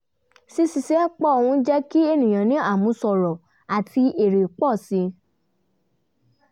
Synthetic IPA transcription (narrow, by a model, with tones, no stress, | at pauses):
si˧si˧sɛ˨˦k͡pɔ˦o˨hũ˧˦d͡ʒɛ˦ki˦e˦nĩ˨j̃ã˨nĩ˨˦a˦˨mũ˨˧˦sɔ˨ɾɔ˨ | a˨ti˧e˨ɾe˨k͡pɔ˦˨si˧˦